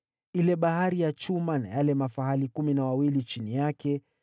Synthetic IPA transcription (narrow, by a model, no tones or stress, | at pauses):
ilɛɓahaɾijat͡ʃumana̰jalɛmafaɦalikuminawawilit͡ʃinijakɛ